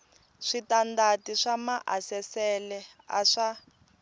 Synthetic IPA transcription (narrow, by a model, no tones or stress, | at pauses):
ʂitandatiʂamaʔasɛsɛlɛ | a̰ʂa